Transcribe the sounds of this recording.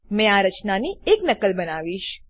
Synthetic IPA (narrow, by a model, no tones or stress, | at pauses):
mɛ̃aɾət͡ʃnanieknəkəlbənaʋiʃ